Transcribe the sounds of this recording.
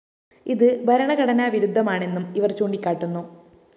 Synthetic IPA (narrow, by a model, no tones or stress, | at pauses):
iðɨbʱɐɾɐɳɐɣɐɽɐnaːʋiɾud̪ʱːɐmaːɳe̞nːumiʋɐrt͡ɕuːɳɖikʲːaːʈːunːu